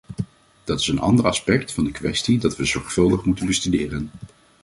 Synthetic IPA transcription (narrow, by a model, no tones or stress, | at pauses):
d̥ɑtɪ̥sənɑ̰ndərɑspɛk̚tfɑndəkʋɛstidɑtʋəzɔɹχfɵlˠdəχmutənbəstydɪːrən